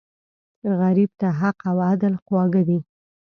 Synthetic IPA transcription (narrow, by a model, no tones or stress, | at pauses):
ɣaɾib̚t̪aɦaqawad̪əlqwɑɡad̪i